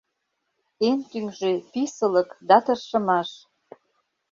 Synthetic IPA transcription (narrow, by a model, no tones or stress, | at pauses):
ent̪yŋʒepisə̆ləkd̪ɑt̪ɤrʃə̆mɑʃ